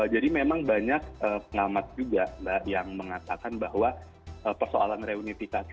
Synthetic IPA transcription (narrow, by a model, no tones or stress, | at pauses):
d͡ʒadimemaŋbaɲak̚əːpəŋamat̪̚d͡ʒuɡambaʔjaŋməŋat̪akanbahwa | ʔəːpərsoa̰lanreunifikak